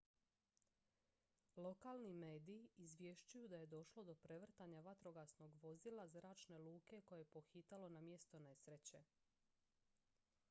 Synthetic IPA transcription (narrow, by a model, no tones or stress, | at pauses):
lo̞kalˠnime̞ːd̪iiːzʋje̞ʃt͡ɕujud̪aje̞d̪o̞ʃlˠo̞d̪o̞pɾe̞ʋr̩t̪aɲaʋat̪ɾo̞ɡasno̞ɡʋo̞zilˠazɾaːt͡ʃne̞luːke̞ko̞jeepo̞xit̪alo̞namje̞st̪o̞ne̞sɾet͡ɕe̞